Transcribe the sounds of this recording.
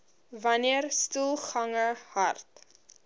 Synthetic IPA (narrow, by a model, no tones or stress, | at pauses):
vɐniərstulˠχɐŋəhɐrt